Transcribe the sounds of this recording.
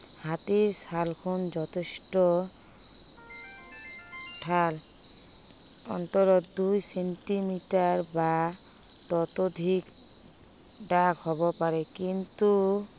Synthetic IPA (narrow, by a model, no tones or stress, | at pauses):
hat̪iɾsalkʰund͡ʑɔt̪ʰeʃʈo | ʈʰal | ɔ̰nt̪oɾod̪ujseɳʈimiʈaɾba | t̪ɔt̪od̪ʱik | ɖakɦɔβopaɾekint̪u